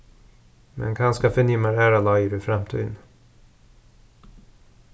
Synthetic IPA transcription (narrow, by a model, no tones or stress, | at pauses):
mɛ̰nkʰanskafœɳʏmːaɾæɾalaiɾɵfɾamt̪ʰy̰ːd̪n